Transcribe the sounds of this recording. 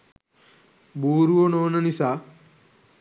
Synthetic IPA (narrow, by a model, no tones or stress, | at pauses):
buːɾuʋonoːnɐnisa